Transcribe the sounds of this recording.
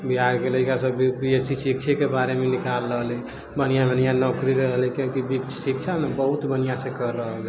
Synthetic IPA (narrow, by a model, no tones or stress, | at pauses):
biɦaɡɡeləkasəbikɾijesisik̚t͡ʃʰekebaɾemenikalːəɦlɛ | bənijamənijanɔkɾiɾəɦlɛkẽkib̪iksik̚t͡ʃʰamebəɦut̪bənijasẽkəɾːəɦəl